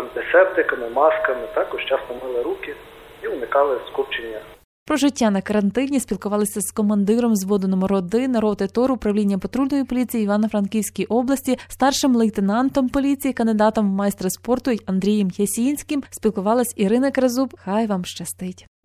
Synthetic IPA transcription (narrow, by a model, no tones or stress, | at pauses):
ɐnt̪esɛp̚t̪ɪkɐmɪmɑskɐmɪt̪ɑkɔʒt͡ʃɑsnɔmɪlˠɛɾukʲɪiʊnɪkɑlˠɪskupt͡ʃenʲːɐ | pɾɔʒɪtʲːanɐkɐɾɐnt̪ɪnʲisʲpʲilˠkʊʋɑlˠɪsʲɐzkɔmɐnd̪ɪɾɔmzʋɔd̪enɔmɔɾɔd̪ɪnɐɾɔt̪ɪt̪ɔɾʊpɾɐʋlʲinʲːɐpɔt̪ɾulnɔjipɔlʲit͡sʲijiiʋɑnɐfɾɐnkʲiwsʲkʲijʔɔblˠɐsʲtʲist̪ɑrʃɪmlˠeit̪enɑnt̪ɔmpɔlʲit͡sʲijikɐnd̪ɪd̪ɑt̪ɔmwmɑjst̪ɾespɔrt̪ʊɐnd̪ɾʲijɛmjesʲinʲsʲkɪmsʲpʲilˠkʊʋɑlˠɐsʲiɾɪnɐkɾɐzupxɑjʋɑmʃt͡ʃɐst̪ɪtʲ